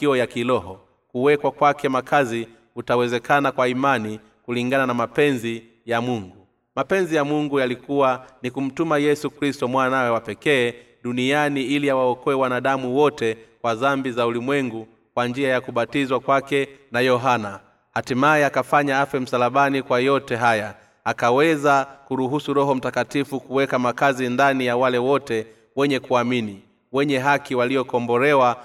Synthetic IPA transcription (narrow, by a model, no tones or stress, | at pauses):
kiɔjakilɔɦɔ | kuwɛkwakwakɛmakʰazi | utawɛzɛkanakwaimani | kuliŋɡananamapɛnzi | jamuŋɡu | mapɛnzijamuŋɡujalikuwanikum̩tumajɛsukɾistɔmwanawɛwapɛkɛː | ɗunianiiliawaɔkɔɛwanaɗamuwɔtɛkwazambizaulimwɛŋɡu | kwand͡ʒiajakuɓatizwakwakɛnajɔɦana | hatimaɛakafaɲaafɛm̩salaɓanikwajɔtɛɦaja | akawɛzakuɾuɦusuɾɔɦɔm̩takatifukuwɛkamakazindanijawalɛwɔtɛ | wɛɲɛkuamini | wɛɲɛɦakiwaliɔkɔmbɔɾɛwa